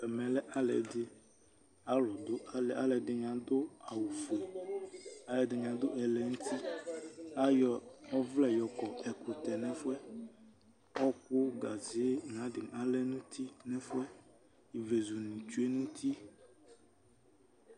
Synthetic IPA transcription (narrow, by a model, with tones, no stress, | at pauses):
ɛ˨mɛ̃˨lɛ˦ʔa˦lɛ̰˨d̪ɪ˦ | a˦lɔ˨d̪o˦a˨˦lɛ˨a˦lɛ˨dɪ˨ɲ˨ã˨d̪o˦a˨wu˨fe˨ | a˦lɛ˨dɪ˨ɲ˨ã˨d̪o˦ʔɛ˨lɛ˨ŋũ˦t̪ʰi˦ | a˦jɔ˨ɔ˦vlɛ˦˨jɔ˨kɔ˨ɛ˨ku˨t̪ɛ˨nɛ̃˦fʊ˦ɛ˦ | ɔ˦k͡po˦ɡa˨zi˨˦ŋ˨ã˨˦dɪ˨ŋ˨a˨lɛ˦nũ˦t̪ʰi˦nɛ̃˦fʊ˦ɛ˦ | i˨ve˨zu˨nĩ˨t͡ʃu˦e˦nũ˦t̪ʰi˦